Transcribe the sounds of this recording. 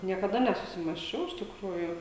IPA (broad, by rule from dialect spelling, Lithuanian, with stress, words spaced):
nʲiɛkɐˈdɐ nʲɛsʊsʲɪmɑːsʲˈt͡ʃʲɛʊ ɪʃ tʲɪkˈruːjuː